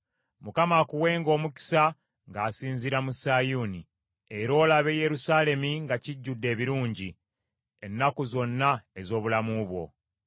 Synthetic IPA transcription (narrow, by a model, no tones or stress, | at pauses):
mukamaːkuwe̞ːŋɡo̞ːmuki̥sa | ŋɡaːsiːnziɾamusajuni | e̞ɾo̞ːlaβe̞ːje̞ɾusaːle̞miŋɡaciɟːudːe̞ːβiɾuːɲɟi | enːakuzo̞nːae̞zo̞ːβulamuβwo̞̰